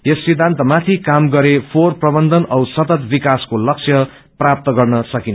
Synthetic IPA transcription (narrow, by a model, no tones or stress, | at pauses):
jesːid̪ʱːant̪ʌmat̪ʰikamɡʌɾepʰorprʌbʌnd̪ʱʌnʌwsʌt̪ʌt̪bikaskolʌk̚sʰjʌ | prap̚t̪ʌɡʌrnʌsʌkinʌ